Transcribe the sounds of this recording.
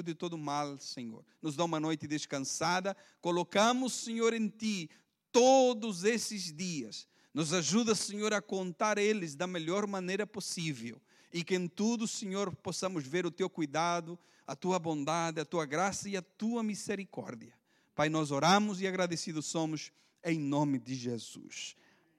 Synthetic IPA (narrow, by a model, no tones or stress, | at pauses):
d̪ɪt̪od̪ʊmalseɲo̰ɾnʊzd̪aumɐnojt̪ɪd̪ɪskɐ̃nsad̪ɐ | kolokɐ̃mʊsseɲoɾẽnt̪i | t̪od̪ʊzesɪzd̪iɐs | nʊzaʒuðɐseɲoɾɐkõnt̪aɾelɪzd̪ɐmeʎɔɾmɐnejɾɐposivɛ̰w | ikɪẽnt̪ud̪ʊseɲoɾposamʊzveɾʊt̪ewkujd̪ad̪ʊ | ɐt̪uɐbõnd̪aðɪɐt̪uɐɡɾasɐiɐt̪uɐmizeɾikɔ̰ɾd̪jɐ | pajnɔzoɾãmʊziaɣɾaðesiðʊssomʊz | ẽj̃nõmɪd̪ɪʒez̥ṵs